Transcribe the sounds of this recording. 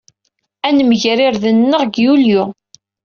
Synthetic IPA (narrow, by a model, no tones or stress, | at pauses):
ænəməʝɾɪɾðənːəʁɡjulju